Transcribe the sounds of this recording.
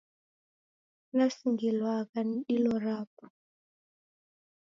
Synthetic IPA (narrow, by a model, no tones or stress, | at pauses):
nasiŋɡilwakaniɗilɔɾaːpɔ̥